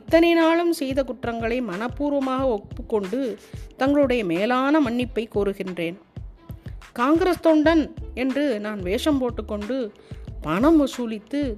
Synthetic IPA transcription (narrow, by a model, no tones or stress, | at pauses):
ɪt̪ːɐnɐɪnaːɭɯmsɛjðɐkʊʈrɐŋɡɐɭɐɪmɐnɐpːuːɾʋɐmaːɣɐɔpːɯkːɔɳɖɯt̪ɐŋɡɐɭɯɽɐjɐmeːlaːnɐmɐɳːɪpːɐɪkoːɾɯɣɪndreːn | kaːŋɡɪɾɐst̪ɔɳɖɐnɛndrɯnaːnʋeːʂɐmpoːʈːɯkːɔɳɖɯpɐɳɐmɐsuːlɪt̪ːɯ